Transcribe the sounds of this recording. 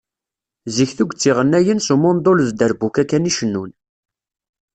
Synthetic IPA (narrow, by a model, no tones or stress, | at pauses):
ziçθuɡʷt͡sːiʁənːæjənsumʊnd̪ˤoləzd̪əɾbukækːæniʃənːun